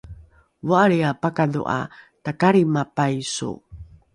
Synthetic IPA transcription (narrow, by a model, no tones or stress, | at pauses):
vaʔaɾiapakadṵʔa̰ | takaɾimapajsṵ